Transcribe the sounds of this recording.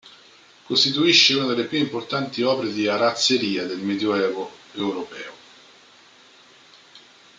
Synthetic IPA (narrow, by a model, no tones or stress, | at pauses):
kost̪it̪uiʃːeunad̪elːepjuimport̪ant̪iɔːpeɾed̪iaɾat̪sːeɾiːad̪elmed̪joɛːvoewɾopɛːo